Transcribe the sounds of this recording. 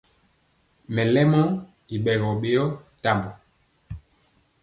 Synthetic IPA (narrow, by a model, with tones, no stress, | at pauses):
mɛ˨lɛ˦mɔ˦ | i˨ɓɛ˨ɣɔ˨ɓe˦jɔ˦ta˦˨mbɔ˨